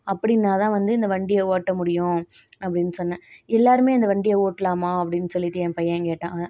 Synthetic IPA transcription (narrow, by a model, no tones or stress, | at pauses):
ɐpːɐɽɪnːaːt̪ãːʋɐnd̪ɯɪnd̪ɐʋɐɳɖɪjɐoːʈːɐmʊɽɪjʊ̃ɐp̬ːɐɽɪnːɯsɔnːɛ̃ɛlːaːɾɯmeːɪnd̪ɐʋɐɳɖɪjɐoːʈːlaːmaːɐpːɐɽɪnːɯsɔlːɪʈːɯɛ̃ːpɐjɐ̃keːʈːãː